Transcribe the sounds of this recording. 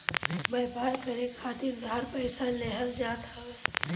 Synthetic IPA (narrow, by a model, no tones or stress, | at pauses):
bəjbʱaːɾkəɾekʰaːt̪iɾd̪ʱaːɾpəɪsaleɦəld͡ʒaːt̪aɦɛ